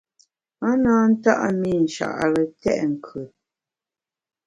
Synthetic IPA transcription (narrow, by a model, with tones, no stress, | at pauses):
a˦naː˦n̩˦ta̰˦ʔa˦mi˦˨n̩˨ʃa̰˨ʔɾə˨tɛ̰˦ʔŋ̩˨kʰə˨